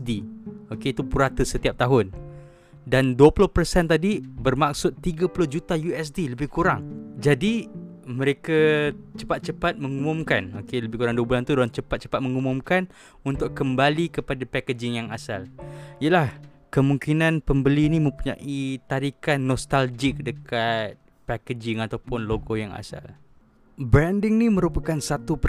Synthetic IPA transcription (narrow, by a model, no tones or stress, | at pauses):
sdiokeit̪upuɾat̪əsət̪iap̚t̪aɦʊn | danduəpulʊhpərsɛnt̪adibərmak̚sʊt̪ːiɡapulʊhd͡ʒut̪ajuɛs̬diləbɪhkuɾaŋd͡ʒadimə̃ɾekat͡ʃə̥pat̪̚t͡ʃəpat̪̚məŋumʊmkanokeləbɪhkuɾaŋduəbulant̪udalant͡ʃəpat̪̚t͡ʃə̥pat̪̚məŋumʊmkan | unt̪ʊkkːəmbalikəpadapakəd͡ʒɪŋjaŋasalijəlah | kəmuŋkinãnpəmbəlinimə̃mpuɲa̰ʔit̪aɾikanːɔst̪ald͡ʒɪk̚dəkat̪̚ | paked͡ʒɪŋat̪awpʊnloɡojaŋa̰sa̰l | bɾandɪŋnimə̃ɾupakansat̪upə